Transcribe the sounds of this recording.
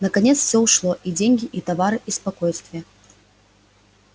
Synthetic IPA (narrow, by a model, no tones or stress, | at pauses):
nɐkɐnʲet̪sfsʲouʂlˠɔʔid͡zʲenʲɡʲɪʔit̪avaɾɨʔispɐkojst̪vʲɪjə